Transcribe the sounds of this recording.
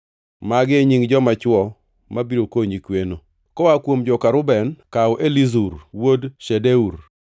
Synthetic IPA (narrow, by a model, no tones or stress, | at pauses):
maɡɪeɲiŋd͡ʒɔmat͡ʃwɔ | mabiɾokoɲikweno | kɔwakwomd͡ʒɔkaɾʊbɛnkawʔelizuɾwodʃedeuɾ